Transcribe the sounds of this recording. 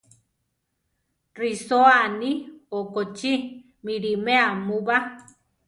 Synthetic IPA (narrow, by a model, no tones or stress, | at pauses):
risoaniokot͡ʃi | miɾimeamuβa